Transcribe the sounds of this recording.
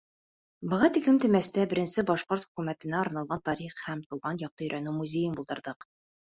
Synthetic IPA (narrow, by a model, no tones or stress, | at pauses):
bɤ̆ʁɑt̪iklɘmt̪ɘ̆mæst̪æbɘ̆ɾɘ̆nsɘbɒʃqoɾt̪χɵ̥̆kʉmæt̪ɘ̆næɒɾnɑlˠʁɑnt̪ɒɾiχhæmt̪uwʁɑnjɑq̚t̪ɤ̆ɵ̆jɾʔænɘmuzʲejɘnbulˠd̪ɤ̆ɾðɤq